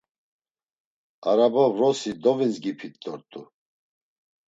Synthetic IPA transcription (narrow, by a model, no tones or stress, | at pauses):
aɾabavɾɔsid̪ɔvinzɡipʰit̪d̪ɔɾt̪ʼu